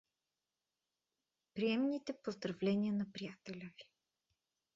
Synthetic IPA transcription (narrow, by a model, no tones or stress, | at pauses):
pɾiɛmnit̪ɛpozd̪ɾɐvlɛnʲiənɐpɾijat̪ɛlʲəvi̥